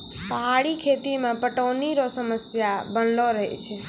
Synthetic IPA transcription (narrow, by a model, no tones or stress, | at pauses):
paɦaɭikʰet̪imãpəʈoniɾosəməsjabənloɾəɦḛt͡ʃʰe